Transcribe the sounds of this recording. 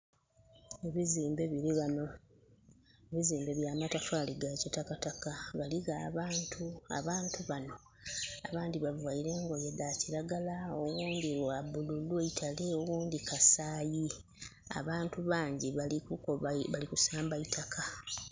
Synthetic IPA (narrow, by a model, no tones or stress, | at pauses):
eβiziːmbeβiliano | eβiziːmbe̞βjaːmatafaliɡacotakatakaβaliɡaːβaːntʰua̰βaːntuβano̞ | a̰βaːndiβavwaiɾe̞ŋɡo̞jeðaciɾaɡalaowuːndiɾwaβululweitʰale̞owuːndikasaːji | a̰βaːntuβaːɲɟiβalikukoβalikusaːmbaitʰakʰa